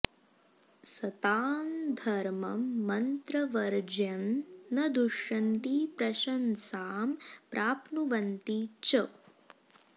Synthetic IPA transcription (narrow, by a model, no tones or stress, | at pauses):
sɐt̪aːnd̪ʱɐɾmɐmːɐnt̪ɾɐʋɐɾd͡ʒɐnːɐd̪uʃɐnt̪ipɾɐʃɐnsaːmpɾʔaːpnuʋɐnt̪it͡ʃɐ